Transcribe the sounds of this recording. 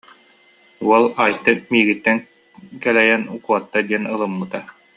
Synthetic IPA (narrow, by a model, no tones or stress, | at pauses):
uɔlˠaːjt̪ːɯmiːɡit̪ːɛŋ | kɛlɛjɛnukuɔt̪ːad̪iɛnɯlˠɯmːɯt̪a